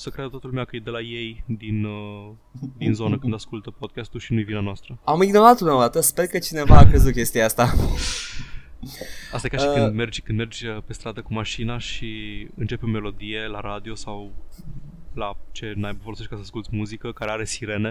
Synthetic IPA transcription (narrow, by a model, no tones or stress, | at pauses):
səkɾed̪t̪at̪əlumeakəjed̪e̞laje̞jd̪in | d̪inzo̞nəkkɨnd̪askult̪əpo̞d̪̚kʲast̪uʃinujvinanoast̪ɾəamiɡno̞ɾat̪ulmed̪at̪əspe̞rkət͡ʃine̞vaːkɾezut̪̚kʲe̞st̪iaast̪a | ast̪ajekaʃikɨnd̪me̞rd͡ʒʲkɨnd̪me̞rd͡ʒʲəpe̞st̪ɾad̪əkumaʃinaʃiɨnt͡ʃe̞peome̞lo̞d̪ije̞laɾad̪io̞saw | lat͡ʃe̞najbvoloseʃkasəaskult̪ʲmuzikəkaɾeaɾe̞siɾe̞ne̞